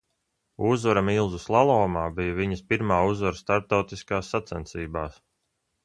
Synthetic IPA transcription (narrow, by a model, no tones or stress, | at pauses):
uzvaɾamilˠzuslˠalˠɔːmaːbijaviɲəspiɾmaːuzvaɾst̪aɾp̚t̪awt̪iskaːsːat̪sɛnt̪siːbaːs